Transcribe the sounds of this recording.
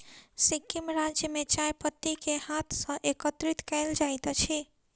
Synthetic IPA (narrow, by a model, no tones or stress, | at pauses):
sikimɾad͡ʒjəmet͡ʃajpət̪ːikehat̪ʰsə̃ʔekət̪ɾit̪kɛɪld͡ʒajt̪t͡ʃʰi